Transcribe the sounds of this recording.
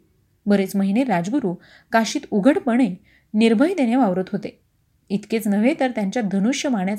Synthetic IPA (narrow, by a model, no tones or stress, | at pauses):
bəɾet͡sməɦineɾad͡zɡuɾuː | kaɕiːt̪uɡʱəɽpəɽ̃e | niɾbʱəid̪enjaʋaʋɾət̪ɦot̪e | it̪ket͡snəʋet̪əɾt̪jaɲt͡ɕjad̪ʱənuɕjəmaɳjat͡s